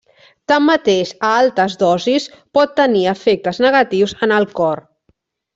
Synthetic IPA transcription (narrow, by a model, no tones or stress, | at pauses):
t̪amːət̪eʃəalˠt̪əzdɔzispɔt̪ːəniəfek̚t̪əznəɣət̪iwzənəlˠkɔr